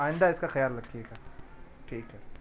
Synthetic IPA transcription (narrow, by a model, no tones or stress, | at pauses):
aːɪ̃nd̪aɪskaxɐjaːllɐɡ̚t̪iɦɛɡaːʈʰiːkɦɛ